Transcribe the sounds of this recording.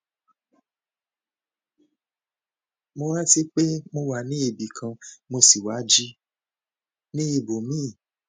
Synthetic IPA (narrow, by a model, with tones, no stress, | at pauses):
mo˧wa˦ti˦k͡pe˦mo˧wa˨nĩ˦e˦˨bi˨kʰã˧mo˧si˨wa˨˦d͡ʒi˦ | nĩ˦e˨bo˨mĩ˦˨